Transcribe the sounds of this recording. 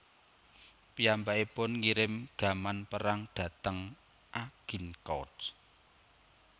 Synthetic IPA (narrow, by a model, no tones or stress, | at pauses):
piambaʔipʊnŋiɾɪmɡ̥a̤manpəɾaŋɖ̥ä̤t̪əŋ | ʔaɡ̥i̤nkɔ̰d